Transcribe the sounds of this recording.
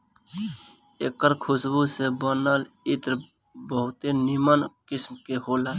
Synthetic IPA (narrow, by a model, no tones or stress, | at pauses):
eːkəɾkʰʊsbusebənəl | ɪt̪ɾ | bəɦʊt̪enɪmənkɪsmkeɦoːlaː